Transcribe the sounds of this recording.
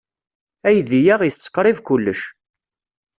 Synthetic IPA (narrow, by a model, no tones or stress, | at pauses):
æjðijæʁiθət͡sːqːɾˤivkulːə̰ʃ